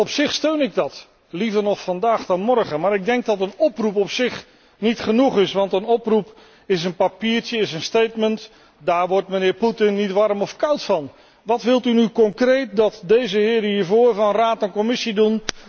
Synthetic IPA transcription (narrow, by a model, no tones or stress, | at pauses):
ɔpsɪχstøɥnɪɡ̚dɑt | livəɹnɔχfɑndaːχdɑnmɔɹχənmaːɾɪɡ̚dɛŋk̚dɑtənɔprupɔpsɪχ | nitχənuχɪsʋɑntənɔprup | ɪsənpapiːɹtəɪsənstejtmənt | daːɹʋɔɹtmənɪːɹputɪnːitʋɑɹmɔfkawtfɑn | ʋɑtʋɪlˠtynykɔŋkrejt̚dɑtdejzəɦɪːɾɦiːɹvʊːɹvɑnraːtɛnkɔmɪsidun